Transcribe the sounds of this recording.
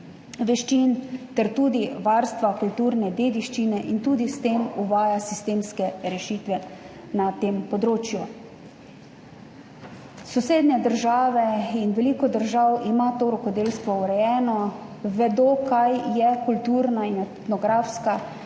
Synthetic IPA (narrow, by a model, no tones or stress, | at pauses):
ʋɛʃt͡ʃint̪ɛɾt̪uːd̪iʋaɾst̪ʋakult̪uːɾnɛd̪eːd̪iʃt͡ʃinɛʔint̪uːd̪ist̪emuʋaːjasist̪eːmskɛɾɛʃiːt̪ʋɛ | nat̪empɔd̪ɾoːt͡ʃju | sɔseːd̪nɛd̪əɾʒaːʋɛinʋɛliːkɔd̪əɾʒawʔimat̪oːɾɔkɔd̪eːlst̪ʋɔuɾɛjɛːnɔʋɛd̪okajjɛkult̪uːɾnainɛt̪nɔɡɾaːfska